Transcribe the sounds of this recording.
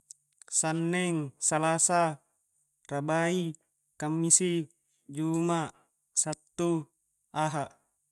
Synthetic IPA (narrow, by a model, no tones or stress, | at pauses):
sanːɛŋsalasa | rabai | kamːisi | d͡ʒumaʔ | sat̪ːu | aɦaʔ